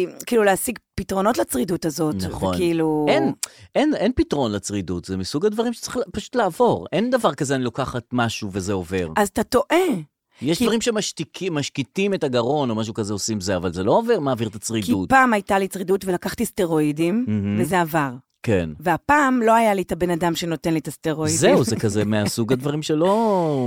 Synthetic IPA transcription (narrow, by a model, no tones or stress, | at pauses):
kiːlulehasiɡpitʁo̞no̞tlat͡sʁidutazo̞t̪naχveokniiluenʔenenpitʁo̞nlat͡sʁidutzemisuɡadvaʁimʃe̥t͡sʁiχpaʃu̥t̪laːvo̞ʁend̪avaʁkazeanilokaχat̚maʃuvezeo̞ve̞ʁazat̪ato̞ʔe | jeʃd̪vaʁimʃemaʃtikimaʃkitimetaɡaʁo̞no̞maʃ̬ukazeosimzeavalzelo̞ove̞ʁmaːviʁt̪at͡sʁikdutpaːmajtalit͡sʁidutvelakaχt̪iste̞ʁo̞idimm̩h̩vvezeavaʁ | kenveapaːmlo̞ajalitabe̞nadamʃeno̞tenlit̪ast̪eʁo̞idzeuzekazemeasuɡadvaʁimʃelo̞